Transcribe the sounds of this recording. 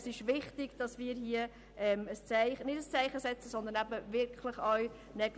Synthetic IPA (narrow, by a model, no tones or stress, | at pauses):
sɪʃʋɪχtɪɡ̥d̥ɑsmiːɾɦiə | ɛːməst͡sæɪχənɪdəst͡sæɪχəsɛt͡səsɔnd̪ənæbəvɪɾkχlɪχœw | nɛɡ